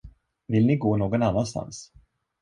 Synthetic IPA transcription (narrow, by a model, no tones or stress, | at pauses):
vɪlnɪɡoːnoːɡɔnanːanst̪a̰ns